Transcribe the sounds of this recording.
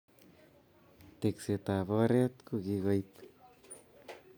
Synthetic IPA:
t̪ekset̪aβoreat̪kuɣiɣojt̪

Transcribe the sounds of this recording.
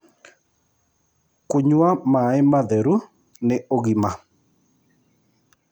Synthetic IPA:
koɲwamaemaðɛɾu | neoɣima

